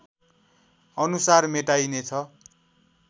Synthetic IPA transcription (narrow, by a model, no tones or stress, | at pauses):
ʌnusarmeʈajnet͡sʰʌ